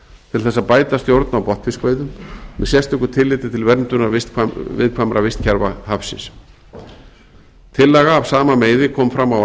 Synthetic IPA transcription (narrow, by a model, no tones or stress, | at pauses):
t̪ʰɪlθɛsːaðpaːjt̪ast̪jowɾt̪nawpɔht̪fɪspeːjðʏmmɛðsjɛst̪ʏhkːʏ̥t̪ʰɪlːɪt̪ɪt̪ʰɪlvɛɾnt̪ʏnaɾvɪst̪kʰavɪ̰ðkʰvamɾʔavɪst̪cʰɛɾvahafsɪ̰ns | t̪ʰɪlːɛɣaːv̥saːmameːjðɪkʰɔːmfɾamaw